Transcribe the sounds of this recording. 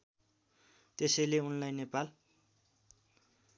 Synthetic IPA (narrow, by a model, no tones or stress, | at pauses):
t̪esʌjleunlajnepal